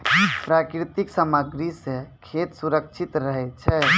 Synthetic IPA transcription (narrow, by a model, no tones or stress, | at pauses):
pɾakɾit̪iksaməɡɾisekʰet̪suɾəkt͡ʃʰit̪ɾəɦɛt͡ʃʰɛ